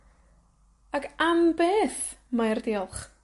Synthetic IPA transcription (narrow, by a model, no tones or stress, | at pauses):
akʰambeːθmajrdiːɔlˠχ